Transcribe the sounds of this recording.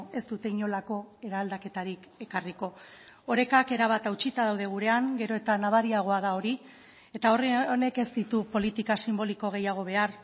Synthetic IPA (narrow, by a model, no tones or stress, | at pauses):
e̞st̪ut̪e̞iɲo̞lako̞e̞ɾaːld̪ake̞t̪aɾik | e̞kariko̞ | oɾe̞kake̞ɾaβ̞at̪awt͡ʃit̪að̞awð̞e̞ɣ̞uɾe̞aŋɡe̞ɾo̞e̞t̪anaβaɾiaɣ̞o̞aðao̞ɾi | e̞t̪ao̞rne̞ke̞zt̪it̪upo̞lit̪ikasimbo̞liko̞ɣ̞e̞jaɣ̞o̞β̞e̞aɾ